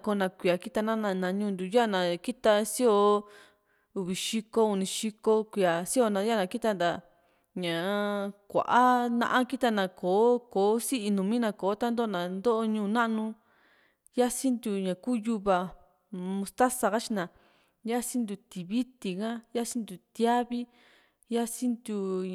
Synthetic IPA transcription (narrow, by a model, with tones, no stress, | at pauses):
ko˧˦˧nã˧kʷi˧˨a˨ki˦t̪a˧nã˦nã˧nã˧ɲũː˦˧nd̪u˨ja˦˨nã˨ki˦t̪a˧si˦o˧ | u˧˨βi˨ʃi˧ko˦u˧nĩ˧ʃi˧ko˦kʷi˧a˨si˦o˧nã˧ja˦˨nã˧ki˦t̪a˧nd̪a˧˨ | ɲã˨˧kʷa̰˨ʔa˦nã̰˧ʔã˦ki˦t̪a˧nã˧˨kʰoː˨˦koː˨˦si˦ʔi˧nũ˨mĩ˦nã˧koː˨˦t̪a˦nd̪o˦o˧nã˨nd̪o˦ʔo˧ɲũː˦˧nã˦ʔnũ˧ | ja˦si˦nd̪u˧ɲã˨kuː˦ju˧βa˧ | mũ˧st̪a˦sa˧ka˦t͡ʃi˧nã˨ | ja˦sĩ˦nd̪u˧t̪i˨βi˦t̪i˧kã˦ja˦si˦nd̪u˨t̪ja˦βi˦ | ja˦si˦nd̪u˧